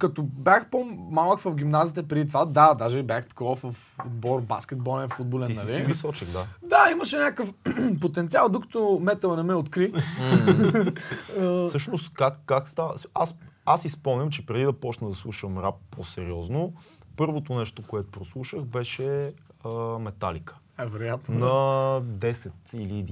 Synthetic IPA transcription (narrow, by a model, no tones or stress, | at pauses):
kɐt̪objaxpomalˠəkvɐfɡʲimnazit̪ɛpɾɛd̪it̪vad̪ad̪aʒɛbʲjaxt̪ɐ̥kvɔvɐf | od̪bɔɾba̰skʲɛd̪̚bɔlɛnfud̪̚bolʲɛnːɐlivisɔt͡ʃiɣd̪ad̪aiməʃɛnʲakəfpot̪ɛnt̪sialˠd̪okə̥t̪omɛt̪əlˠənɛmɛot̪kɾi | əsɤʃnost̪kakːakst̪avasasispɔmnʲəmt͡ʃɛpɾɛd̪id̪ɐpɔt͡ʃnəd̪ɐslˠuʃəmɾapposɛɾiɔznopɤɾvot̪onɛʃt̪okoɛt̪o̥pɾoslˠuʃəxbɛʃɛəmɛt̪alikə̥ | ɛvɛɾojat̪nnɐd̪ɛsɛt̪ilid̪